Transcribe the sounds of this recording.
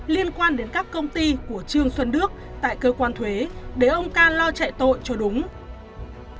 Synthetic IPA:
li˧ənkwaː˧nɗe˨˦nkaː˦˥kːə˧wŋ͡mt̪i˧ku˧˩ət͡ɕɨ˧əŋswə˧nːɨ˦˥ək̚ | t̪a̰ː˧˨jkəː˧kwaː˧nt̪ʰwe˨˦ɗe˧˩ʔə˧wŋ͡mkaː˧nlɔ˧t͡ɕɛ̰˧˨jt̪o̰˧˨jt͡ɕɔ˧ɗʊ˨˦ŋ͡m

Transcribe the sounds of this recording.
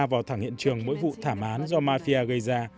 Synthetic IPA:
vaː˨˩wt̪ʰaː˧˩ŋhḭ˧˨nt͡ɕɨ˨˩əŋmo̰˧˥jvṵ˧˨t̪ʰaː˧˩mʔaː˨˦nzɔ˧maː˧fi˧aː˧ɣə˧jzaː˧

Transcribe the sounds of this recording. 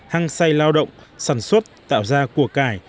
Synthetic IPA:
haː˧ŋsa˧jlaː˧wɗə̰˧˨wŋ͡msaː˧˩nswə˦˥t̚t̪a̰ː˧˨wzaː˧ku˧˩əkaː˧˩j

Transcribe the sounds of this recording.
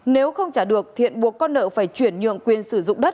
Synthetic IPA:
ne˨˦wxə˧wŋ͡mt͡ɕaː˧˩ɗɨ˨˩ək̚t̪ʰḭ˧˨ənɓu˨˩əkːɔ˧nːə̰ː˧˨faː˧˩jt͡ɕwi˧˩ənɲɨ̰˧˨əŋkwi˨˩ənsɨ˧˩zʊ̰˧˨ŋ͡mɗə˦˥t̚

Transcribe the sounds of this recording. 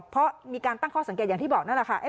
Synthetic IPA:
pʰɾɔ˦˥miː˧kaː˧nt̪a˥˩ŋkʰɔː˥˩sa˨˩˦keː˨˩t̪̚jaː˨ŋt̪ʰi˥˩bɔː˨˩k̚na˥˩lɛ˨˩kʰa˥˩ʔe˦˥

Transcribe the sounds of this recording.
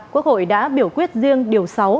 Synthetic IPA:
ku˦˥ək̚ho̰˧˨jɗa̰ː˧˥ɓi˧˩əwkwi˦˥ət̚zɨ˧əŋɗi˨˩əwsa˨˦w

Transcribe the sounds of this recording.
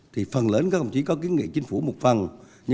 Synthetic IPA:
t̪ʰi˨˩fə˨˩nləː˨˦nka˦˥k̪ə˨˩ŋ͡mt͡ɕi˨˦kɔ˨˦k̬i˨˦ənŋḭ˧˨t͡ɕi˨˦ŋ̟fu˧˩mo˨˩t̚fə˨˩n | ɲɨ˧

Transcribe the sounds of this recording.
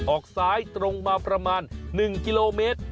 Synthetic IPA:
ʔɔː˨˩k̚saː˦˥jt̪ɾo˧ŋmaː˧pɾa˧maː˧nːɯ˨˩ŋki˧loː˧meː˦˥t̪̚

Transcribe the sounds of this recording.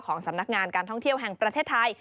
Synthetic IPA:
wkʰɔː˩˦ŋsa˩˦mna˦˥k̚ŋaː˧nkaː˧nt̪ʰɔ˥˩ŋt̪ʰi˥˩əwɦɛ˨˩ŋpɾa˧t̪ʰeː˥˩t̪ʰːa˧j

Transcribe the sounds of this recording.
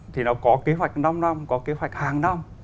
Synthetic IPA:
t̪ʰi˨˩nɔ˨˦kɔ˨˦ke˨˦əɦwa˨˩jk̟̚na˧mna˧mkɔ˨˦ke˨˦ɦwa˨˩jk̚haː˨˩ŋna˧m

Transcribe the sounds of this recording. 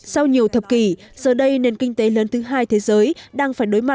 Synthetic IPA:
sa˧wɲi˨˩əwt̪ʰə˨˩p̚ki˧˩z̥əː˨˩ɗə˧jne˨˩nkï˧ŋ̟t̪e˨˦ləː˨˦nt̪ʰɨ˨˦ɦaː˧jt̪ʰe˨˦zəː˨˦jɗaː˧ŋfaː˧˩jɗo˨˦jma˨˩t̚

